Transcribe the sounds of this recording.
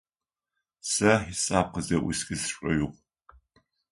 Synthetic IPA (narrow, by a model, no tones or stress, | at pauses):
sɐħisʼaːp̚qəzɐʔʊsɡɨsʂʷʼɔɥʊʁʷ